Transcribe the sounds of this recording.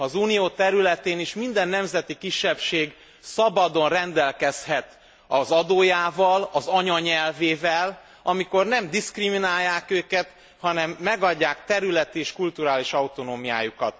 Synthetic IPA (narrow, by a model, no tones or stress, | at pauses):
ɒzuːnijoːt̪ɛɾylɛt̪eːniʃmind̪ɛnːɛmzɛt̪ikiʃːɛpʃeːɡ | sɒbɒd̪o̞nrɛnd̪ɛlkɛshɛt̪ | ɒzɒd̪oːjaːvɒlɒzɒɲɒɲɛlveːvɛl | ɒmiko̞rnɛmd̪iskriminaːjːaːkøːkɛt̪ | hɒnɛmːɛɡɒɟːaːkt̪ɛɾylɛt̪eːʃkult̪uɾaːliʃɒut̪o̞noːmija̰ːjukɒt̪